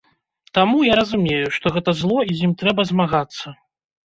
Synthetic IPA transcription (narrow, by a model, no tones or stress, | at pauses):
t̪amujaɾɐzumʲejuʂt̪ɔɣɛt̪ɐzlˠɔizʲjimt̪ɾɛbɐzmaɣat̪sːɐ